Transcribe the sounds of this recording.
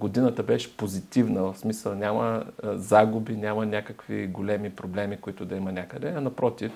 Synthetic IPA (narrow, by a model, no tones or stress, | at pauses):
ɡod̪inət̪əbɛʃɛ̥pozit̪ivnəvəfsmisəlˠnʲaməzaɡʊbinʲamɐnʲakəkvḭɡolɛmipɾoblɛmikoit̪ʊd̪ɐimɐnʲakəd̪ɛɐnɐpɾɔt̪if